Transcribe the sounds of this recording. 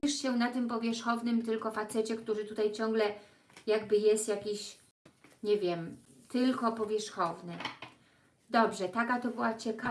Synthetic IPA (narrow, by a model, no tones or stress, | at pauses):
ʂɕɛnat̪ɘmpɔvʲjɛʂxɔvnɘmt̪ɘlkɔfat̪sɛt͡ɕɛkt̪uʐɘt̪ut̪ajt͡ɕɔŋɡlɛ | jaɡbɘjɛst̪jakʲiɕ | ɲɛvʲjɛm | t̪ɘlkɔpɔvʲjɛʂxɔvnɘ | d̪ɔbʐɛt̪akat̪ɔbɘwat͡ɕɛka